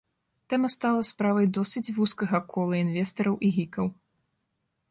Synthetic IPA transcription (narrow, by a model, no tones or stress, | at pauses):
t̪ɛmɐst̪alˠɐspɾavɐjd̪ɔsʲɨt͡sʲvuskɐɣɐkʰɔlˠɐinvʲɛst̪ɐɾɐwʔiɣʲikɐw